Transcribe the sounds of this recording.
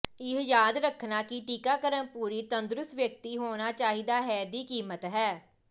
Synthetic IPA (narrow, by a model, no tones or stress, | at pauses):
ɪɦjaːd̪ɾəkʰːnaːkɪʈiːkaːkəɾənpuːɾiːt̪ənd̪ɾʊsʋjək̚t̪iːɦoːñaːt͡ʃaːɦiːd̪aːɦɛːd̪iːkiːmət̪ɦɛː